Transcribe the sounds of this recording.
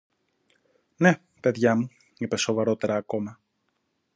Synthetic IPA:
ne̞ | pe̞ðʝɐmu | ipe̞so̞vɐɾo̞t̪e̞ɾɐːko̞mɐ

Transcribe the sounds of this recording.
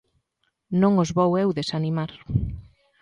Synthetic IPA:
nõŋozβowewðesanimaɾ

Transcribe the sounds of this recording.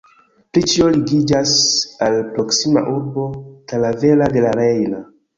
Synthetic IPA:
pɾit͡ʃio̞liɡid͡ʒasalpɾo̞ksima̰ʔuɾbo̞talave̞lade̞laɾe̞jna

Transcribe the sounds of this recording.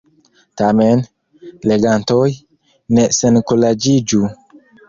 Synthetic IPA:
tamen | le̞ɡantoj | ne̞senkolad͡ʒid͡ʒu

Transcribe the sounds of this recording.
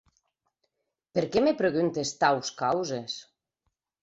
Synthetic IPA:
peɾkemepɾeɣunt̪est̪awskawzes

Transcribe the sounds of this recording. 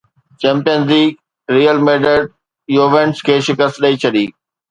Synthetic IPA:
t͡ɕɛ̃ːmpijənzliːɡ | ɾiːjəlmeːɖəɖ | joːʋẽːɳʈskʰeːʃɪkəst̪ɗɐit͡ɕʰɐɗiː

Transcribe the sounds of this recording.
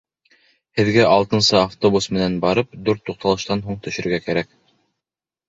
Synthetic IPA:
hɘ̆ðɡæʔɑlˠt̪ɤ̆nsɤaft̪obusmɘ̆nænbɑɾɤp̚d̪uɾt̪ːuq̚t̪ɑlˠɤ̆ʃt̪ɑnɦuɴt̪ɵ̆ʃɵ̆ɾɡækæɾæk

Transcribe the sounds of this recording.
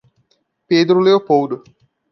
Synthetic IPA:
peːd̪ɾuleopowd̪u

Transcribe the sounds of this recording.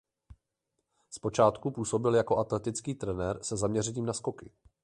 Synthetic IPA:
spo̞t͡ʃaːt̪kupuːso̞bɪljako̞ʔat̪lɛt̪ɪt͡skiːt̪ɾɛnɛɾsɛzamɲɛrɛɲiːmnasko̞kɪ

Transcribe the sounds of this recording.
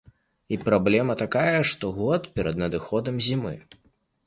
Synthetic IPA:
ipɾablʲɛmɐt̪akajɐʂt̪ɔɣɔt̪pʲɛɾɐd̪nɐd̪ɨxɔd̪ɐmzʲimɨ̰

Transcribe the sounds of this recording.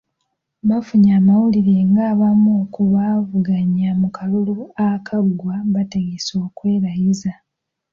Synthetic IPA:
βafuɲaːmawuliɾe̞ŋɡaːβamoːkuβaːvuɡaɲamukʰaluluakʰaɡwaβate̞ɡeso̞ːkwe̞ːɾajiza

